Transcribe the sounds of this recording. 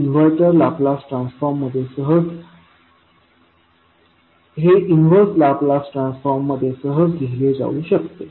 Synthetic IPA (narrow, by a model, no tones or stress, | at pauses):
inʋəɾʈəɾlaplasʈɾãnsfɔɾmːəd̪ʱjesəɦəd͡z | ɦeʔinʋəɾʈlaplasʈɾansfɔɾmːəd̪ʱːjesəɦəd͡zɡʱeɦiled͡za̰uːɕəkt̪e